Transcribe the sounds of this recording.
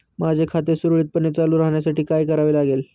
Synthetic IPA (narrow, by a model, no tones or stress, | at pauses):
mad͡zʱekʰat̪esuɾɭiːt̪̚pəɳet͡salũːɾaɦɳjasaʈiːkajkəɾaʋelaɡel